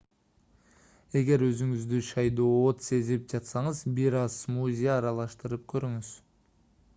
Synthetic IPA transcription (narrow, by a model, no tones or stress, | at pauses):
e̞ɡe̞ɾø̞zyŋyzd̪yʃɑjd̪oːot̪se̞zip̚d͡ʒɑt̪sɑɴɯzbiɾɑz̥muzʲejaːɾɑlˠɑʃt̪ɯɾɯp̚kʰø̞ɾyŋyz̥